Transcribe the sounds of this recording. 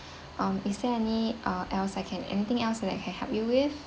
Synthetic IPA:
ʔʌ̃misdɛɛniʔʌʔɛlsaɪkʰɛ̃nɛ̰nit̪ɪ̃ŋɛlsdɛta̰ɪkʰɛ̃nhɛvjuwɪθ

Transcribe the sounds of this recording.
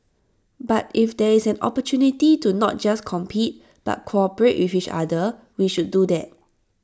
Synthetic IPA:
batifdɛisɛ̃nɔ̰pətʰjunititunɔ̰t̚d͡ʒaskʰɔ̃mpʰit̚ | b̥a̰t̚kʰoɔpəɹeʔwifit͡ʃa̰də | wiʃud̚dːudɛt̚

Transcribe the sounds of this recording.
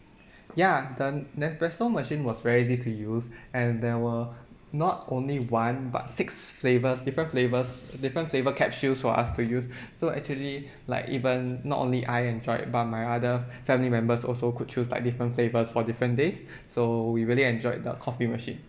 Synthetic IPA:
jadənɛsbɛsnəməʃĩnwɔsɹɛɹizitʰujusɛ̃ndɛwə | nɔtõnliwãnba̰tsɪksflevəsdifɹə̃nflevəsdifɹə̃nflevəkʰɛp̚ʃusfɔa̰stujusːoɛ̰k̚t͡ʃuəli | la̰ɪkḭvə̃nːɔ̰ʔõ̰nliʔajɛ̃nd͡ʒɔɪ̰t̚bat̚maɪadəfɛ̃milimɛ̃mbəsɔ̰lsokʰud̚t͡ʃusla̰ɪk̚difɹə̃ntflevəsfɔdifɹə̃ndesː | owiɹiliɛ̃nd͡ʒɔɪdə̰kʰɔfiməʃḭ̃n

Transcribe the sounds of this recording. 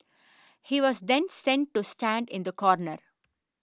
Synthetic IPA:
hiːʋɔːzd̪ɛ̃nssɛ̃ɳʈ̚ʈusʈæ̃ɳɖɪ̃nd̪əkɔːɾnəɾ

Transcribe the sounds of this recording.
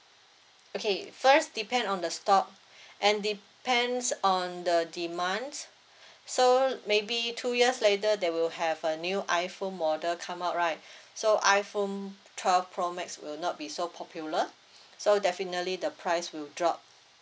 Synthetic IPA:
okʰefəsdipɛ̃ndɔ̃ndəstɔk̚ | ʔɛ̃ndi | pɛ̃nsɔ̃ndədimãns | somebitʰujiəslet̬ədɛwilhɛvənjuʔaɪfõnmɔdəkʰãmaʊt̚ɹaɪt̚soʔaɪfõn | tʰwɛlfpʰɹɔmɛkswḭlnɔt̚bisopʰɔpʰjulə | sodɛfinətlidəpʰɹaɪswildɹɔp̚

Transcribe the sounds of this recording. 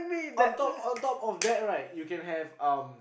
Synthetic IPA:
mĩɔ̃ntɔpɔ̃ntɔpɔfd̪ɛt̚ɹaɪt̚jukɛ̃nɦɛvãm

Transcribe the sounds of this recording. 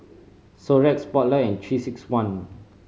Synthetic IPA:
soɹɛt̚spɔt̚ləɛ̃ntʰɹisikswãn

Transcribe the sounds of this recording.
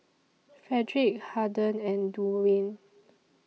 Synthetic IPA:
fɹɛdɹik̚hadə̃nɛ̃nduɹĩn

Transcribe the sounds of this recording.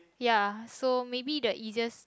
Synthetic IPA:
jasomebidəʔid͡ʒas

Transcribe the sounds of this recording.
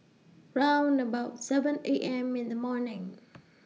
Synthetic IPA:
ɹãʊ̃ndəbaʊtsɛvə̃nḛʔɛ̃mɪ̃nðəmɔɹnɪ̃ŋ

